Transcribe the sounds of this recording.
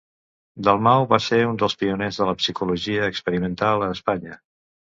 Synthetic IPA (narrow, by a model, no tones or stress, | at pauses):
d̪əlˠmawβaseund̪əlˠspiunezðələpsikuluʒiəːkspəɾimənt̪alˠəːspaɲə